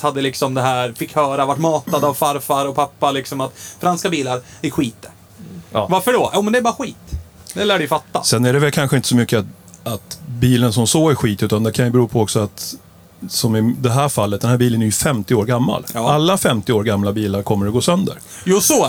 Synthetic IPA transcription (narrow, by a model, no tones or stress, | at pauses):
t̪had̪ːəlɪksɔmd̪ɛɦæːɾfɪkːhœːɾavaʈːmɑːt̪ad̪avfaɾfaɾɔpʰapːalɪksɔmat̪fɾanskabiːlaɾfɪkɧiːt̪ːə | vaɾfəɖojuːmɛnd̪ɛɾbɑːɾaɧiːt̪ | d̪ɛlæːɖɪjfat̪ːa̰sɛnæɖɛvɛlkʰanɧəɪnt̪ə̥sɔmʏkːə | at̪biːlənsɔmsoːɡæɧiːt̪ʉ̟ːt̪and̪ɛkʰanjɵbɛɾuːpʰɔɔksɔat̪ | sɔmɪd̪ɛɦæːɾfalːət̪̚d̪ɛnhæːɾbiːlənæɾjɵfɛmt̪ɪoːɾɡamːa̰lʔalːafɛmt̪ɪoːɾɡamːlabiːlaɾkʰɔmːəɾɔɡoːsœnd̪ə̰ɾ | juːsɔ